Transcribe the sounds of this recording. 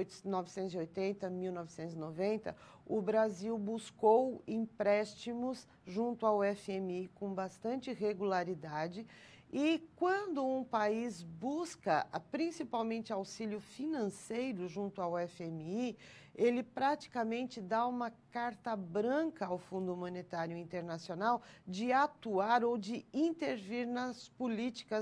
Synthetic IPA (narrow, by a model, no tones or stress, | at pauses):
jnɔvɪsẽt̪ʊziojt̪ẽnt̪ɐmiwnɔvɪsẽnt̪ʊzɪnovẽnt̪ɐ̰ | ʊbɾaziwbuskowĩpɾɛst͡ʃimʊs | ʒũnt̪ʊawɛfɪemikõw̃bast̪ɐ̃nt͡ʃɪɦeɡulaɾid̪ad͡ʒɪ | ɪkwɐ̃nd̪ʊũpaizbuskɐpɾĩsipawmẽnt͡ʃɪawsiljʊfinɐ̃sejɾʊʒũnt̪ʊawɛfɪemii | elɪpɾat͡ʃi̥kɐmẽnt͡ʃɪd̪aũmɐkaɾt̪ɐbɾɐ̃ŋkɐawfũnd̪ʊmõnet̪aɾjʊĩnt̪eɾnasionawd͡ʒɪat̪uaɾod͡ʒɪĩnt̪eɾviɾnɐspolit͡ʃi̥kɐ